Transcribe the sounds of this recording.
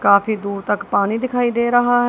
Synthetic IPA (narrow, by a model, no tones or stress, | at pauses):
kaːpʰiːd̪uːɾt̪əkpaːniːd̪ɪkʰaːiːd̪eːɾəɦaːɦ